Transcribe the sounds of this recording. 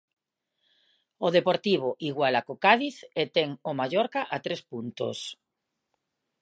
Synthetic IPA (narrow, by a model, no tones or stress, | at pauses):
oðepoɾt̪iβ̞oʔiɣwalakokaðiθet̪eŋomaʝoɾkaʔat̪ɾespunt̪o̰s